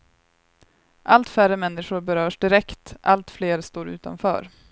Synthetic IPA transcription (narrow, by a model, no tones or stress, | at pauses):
ʔalt̪færəmɛnːɪɧʊɾbɛɾœːʂɖɪɾɛkt̪ʔa̰lt̪fleːɾst̪oːɾʉ̟ːt̪a̰nfœ̰ːɾ